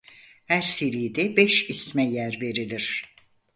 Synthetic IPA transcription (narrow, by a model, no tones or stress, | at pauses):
hæɾseɾijd̪ɛbɛʃismɛjæɾve̞ɾilʲiɾ̥